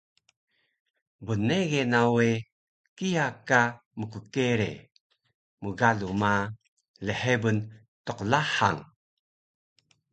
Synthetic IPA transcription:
buneɣenawe | kijaka | məkukeɾḛ | muɡaluma | ləħebən | toqlaħa̰ŋ

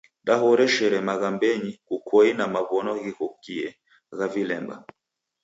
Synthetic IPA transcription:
daɦɔɾɛʃɛɾɛmaɣambɛɲikukʰɔinamaβɔnɔɣihɔkiɛ | ɣavilɛmba̰

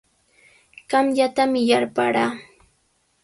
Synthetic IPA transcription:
ɢ̥ɑmʎat̪amɪjaɾpaɾaː

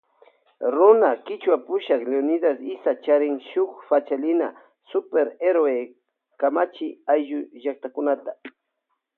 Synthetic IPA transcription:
ɾʊnakɪt͡ʃwapʊʃakleonɪd̪asɪsat͡ʃaɾɪŋʃʊkfat͡ʃalɪna̰ | sʊpeɾeɾoe | kamat͡ʃɪajʒʊʒak̚t̪akʊnat̪a

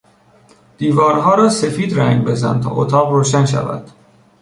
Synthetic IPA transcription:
d̪̥iːvɒːɾɦɒːɾɒːse̞fiːd̪ɾæŋɡbe̞zæ̰nt̪ʰɒ̰ːʔo̰t̪ʰɒːɣroːʃænʃæ̰væ̰d̪̥

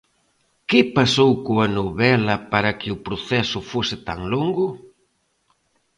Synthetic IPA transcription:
kɪpasowkoɐnoβɛlɐpaɾɐkɪʊpɾoθɛsʊfosɪt̪aŋloŋɡʊ

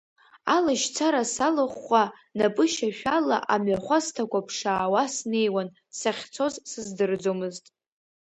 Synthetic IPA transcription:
alaʃt͡sʰaɾasalɨχʷːa | napʼɨʃaʃᶣala̰ʔamɥaχʷaztʰakʷapʰʂaːwasne̞jwan | saχʲt͡sʰo̞zsɨzdɨrd͡zomɨztʼ

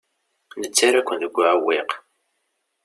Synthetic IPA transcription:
nət͡sːaɾækʷːənðəɡʷːaʕwːiq

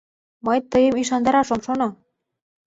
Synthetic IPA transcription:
məjt̪əjəmiʃ̬ɑnd̪ɑɾɑʃomʃono

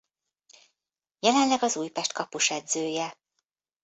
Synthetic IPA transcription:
jɛlɛnlɛɡɒzuːjpɛʃt̪kɒpuʃɛd̪zøːjɛ

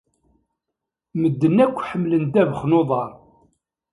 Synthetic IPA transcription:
məd̪ːənːækʷːħəmlənd̪ævəχnoðˤɑɾˤ

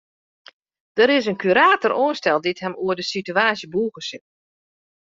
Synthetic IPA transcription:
d̥əɾɪs̬ənkʰyɾaːtəroənstɛlˠdithɛmuədəsityaːsjəbuːɣəsɪt

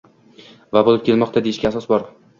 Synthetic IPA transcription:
vabolɪp̚kʲʰelmɒqt̪ʰad̪e̞jɪʃɡʲaːsɒsbɒɾ

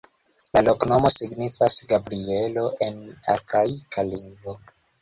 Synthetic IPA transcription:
lalo̞kno̞mo̞siɡnifasɡabɾie̞lo̞ʔe̞na̰ɾkajkʰaliŋɡvo

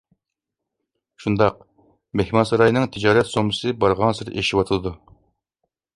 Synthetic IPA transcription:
ʃund̪ɑq̚ | mehmɑnsɑɾɑjnɨŋt̪ʰɨd͡ʒɑːɾɛt̪somɨsɨbɑɾʁɑnsɨɾeʃiwɑt̪ʰɨlˠɨd̪u

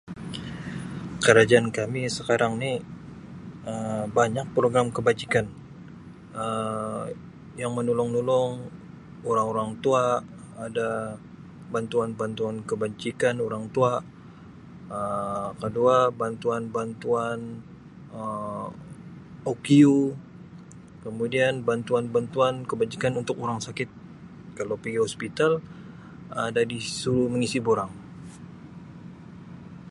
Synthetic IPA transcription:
kəɾad͡ʒaankamisəkaɾaŋni | əbaɲak̚pɾoɡɾamkəbad͡ʒikan | ə | jaŋmənulɔŋnulɔŋ | oɾaŋoɾaŋt̪uaː | da | bant̪uanbant̪uankəbaɲt͡ʃikanoɾaŋt̪ua | əkəduabant̪uanbant̪uan | ə | okiu | kəmudianbant̪uanbant̪uankəbaɲt͡ʃikanunt̪ʊk̚uɾaŋsakɪt̪̚ | kalawpiɡiɦɔspit̪al | adadisuɾuməŋisiboɾaŋ

